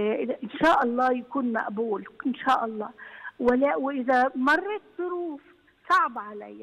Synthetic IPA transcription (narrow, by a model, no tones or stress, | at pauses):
ʔʔɪnʃaːʔɑlˤːɑːjakuːnma̰ʔbuːlʔɪnʃaːʔɑlˤːɑːwɪlːæwɪʔɪðamɑrˤːɑt̪zˤʊɾuːf | sˤɑʕbʕala̰jːa